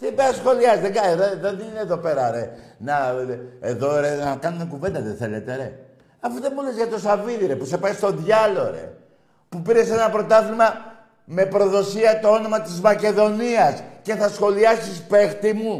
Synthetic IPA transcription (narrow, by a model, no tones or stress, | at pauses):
t̪ibeɐsxo̞liɐzðeɡɐðoðenineðo̞pe̞ɾɐɾenɐeðo̞ɾenɐkɐnumekuve̞nd̪ɐðenθe̞let̪eɾe̞̰ | ɐfuðe̞mulizʝɐt̪o̞sɐviðiɾepusepɐjst̪o̞ðʝɐlo̞ɾe̞̰ | pupiɾe̞se̞nɐpɾo̞t̪ɐθlimɐ | me̞pɾo̞ðo̞siɐt̪o̞o̞no̞mɐt̪izmɐce̞ðo̞niɐsce̞θɐsxo̞liɐsispe̞xt̪imu